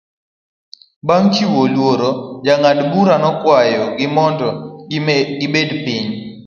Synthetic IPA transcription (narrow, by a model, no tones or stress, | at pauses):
baŋkiwolwoɾɔd͡ʒaŋadbuɾanɔkwajɔɡɪmɔndɔ | ɪbedpɪɲ